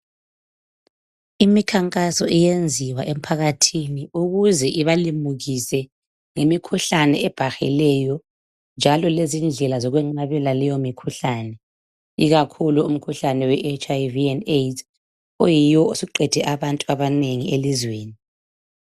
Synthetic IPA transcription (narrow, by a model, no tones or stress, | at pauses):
imikʰaŋkʼasɔʔɛjend͡zʱiwaʔem̩pʰaɣatʰiniuɣuzɛʔiβalimuɣisɛ | ŋemikʰuɬanɛɛb̥ʱaxɛ̰lɛjɔ | nd͡ʒʱalɔlezind͡ɮʱɛlazɔɣwɛŋ͡ǃmaβɛlalɛjɔmikʰuɬanɛ | iɣakʰuluum̩kʰuɬanɛwɛʔet͡ʃʼajviɛnet | ojijɔusiǃɛd̥ʱɛʔaβantʼuaβaneŋielizweːni